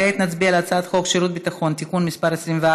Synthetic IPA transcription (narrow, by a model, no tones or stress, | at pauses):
eet̪nat͡sbialeat͡saat̪χo̞kʃiɾut̪̚bit̪aχo̞nt̪ikunmispaʁet͡slimvea